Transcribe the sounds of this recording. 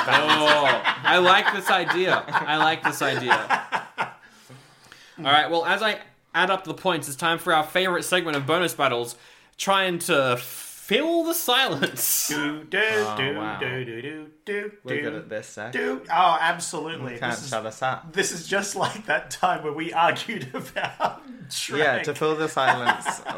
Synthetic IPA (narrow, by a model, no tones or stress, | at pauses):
o | aɪlaɪk̚ðɪsaɪdiɨaɪlaɪk̚ðɪsaɪdiɨ̰ | ɔlˠɹaɪt̚wɛlˠəzaɪ | æɾʌp̚ʰðəpʰɔ̃ɪ̃ntɨtstʰãɪ̃ɱfə˞aʊə˞feɪvə˞ɨtsɛɡ̚mɨ̃ɾ̃ʌvbõʊ̃ñɨsb̥æɾl̩ˠz̥ | tʰɹ̥aɪɪ̃ŋtʰəfɪlˠðəsaɪlˠə̃nsdwa̰ʊ | d̥ʉwɛɾɨ̰t̪̚ðɪsɛ̰d̥ʉoʊæbsəlʉtˡlikʰæ̰̃nʃʌðəsap̚ðɪsɨzd͡ʒʌstˡlaɪk̚ðɨtʰãɪ̃mwə˞wiʔɑɹɡjʉɾɨbaʊttɹ̥jætʰɨfɪlˠðəsaɪlˠə̃ns